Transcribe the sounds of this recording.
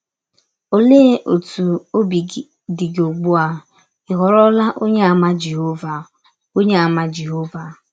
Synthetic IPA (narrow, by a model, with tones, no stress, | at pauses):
o˦leː˦ʔo˨tu˨o˦bi˨˦ | dɪ˨ɡo˨ɡ͡bu˦a˨ | ɪ˨ɦɔ˨ɾɔ˦la˦ʔo˦ɲe˦a˨ma˦d͡ʒe˨ɦo˦va˨ | o˦ɲe˦a˨ma˦d͡ʒe˨ɦo˦va˨